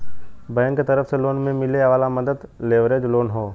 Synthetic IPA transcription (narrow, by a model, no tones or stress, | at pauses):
bəjənket̪əɾəfseloːnmẽmɪleʋaːlaməd̪əd̪leːʋɾeːd͡ʒloːnɦoː